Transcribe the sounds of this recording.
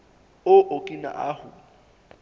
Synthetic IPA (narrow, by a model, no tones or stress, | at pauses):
oʔokʼina̰ʔahʊ